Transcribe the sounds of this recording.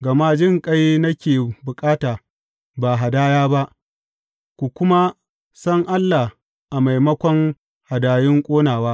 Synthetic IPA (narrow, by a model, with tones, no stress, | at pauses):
ɡɐ˨ma˦d͡ʒɪ˦˨ŋkʼa˦jnɐ˦kʲeː˨bʊ˨kʼaː˦taː˨ | ba˨ɦa˨daː˦jaː˦ba˦ʔ | kʷu˨kʷʊ˦ma˦ | sɐ˦ŋʔa˦lːa˨h | ʔa˨ma˨jmɐ˦kʷɔ˦ŋ | ha˨daː˨jɪ˦ŋkʷʼoː˦naː˨waː˦ʔ